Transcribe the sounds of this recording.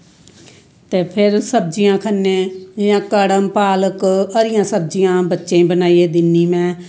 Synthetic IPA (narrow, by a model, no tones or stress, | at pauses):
t̪eːpʰɪɾsəb̚d͡ʒijãːkʰənːẽːjãːkəɽəmpaːləkəɾɪjãːsəb̚d͡ʒijãːbətːʃẽːbənaːieːd̪ɪnːiːmɛ̃ː